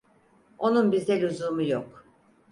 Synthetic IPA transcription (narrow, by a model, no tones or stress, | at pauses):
o̞nunbizd̪ɛlʲuzumujok